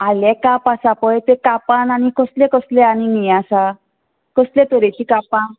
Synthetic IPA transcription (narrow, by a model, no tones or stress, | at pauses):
alɛ̃kapasapɔjt̪ekapananikɔslẽkəsleañinijasa | kəslẽt̪əɾet͡ɕikapã